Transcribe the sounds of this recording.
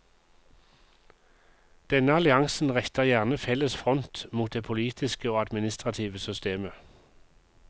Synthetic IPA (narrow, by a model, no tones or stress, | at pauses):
d̪̥ɛnəɑlɪɑŋsn̩ʁɛçt̪əʁjæːʁnəfɛləsfʁɔnt̪muːt̪̚d̪eːpʰʊliːt̪ʰɪskəoːɑd̪mɪnɪst̪ʁɑt̪ʰiːʋəsʏst̪eːmə